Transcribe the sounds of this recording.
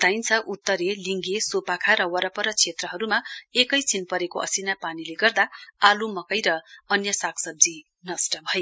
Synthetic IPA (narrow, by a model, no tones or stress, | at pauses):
d̪ajnt͡sʰʌʔut̪ːʌɾeliŋɡesopakʰaɾʌwʌɾʌpʌɾʌt͡sʰet̪rʌɦʌɾumaekʌjt͡sʰinpʌɾekoʔʌ̰sinapanileɡʌrd̪aalumʌkʌjɾʌʌnjʌsakʰsʌb̚d͡zi | nʌsʈʌbʱʌe